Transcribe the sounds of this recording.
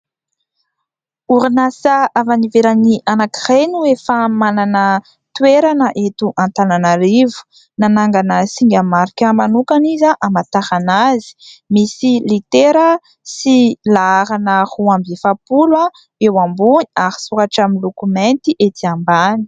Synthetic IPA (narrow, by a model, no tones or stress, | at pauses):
uɾinasaavaniveɾaniʔanakirenuefamananə | t̪weɾanəʔet̪uʔãnt̪ananaɾivu̥ | nanaŋɡanəsiŋɡʲamaɾikʲəmanukanizaʔamat̪ahanazi̥misilit̪eɾə | silaaɾanəhuambifapulwa | ewambuniaɾi̥suɾaʈ͡ʂaminlukument̪iʔet̪iambani̥